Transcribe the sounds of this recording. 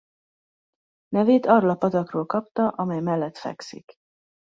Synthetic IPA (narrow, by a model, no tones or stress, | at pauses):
nɛveːt̪ɒroːlɒpɒt̪ɒkroːlkɒpt̪ɒʔɒmɛjmɛlːɛt̪fɛ̰ksḭk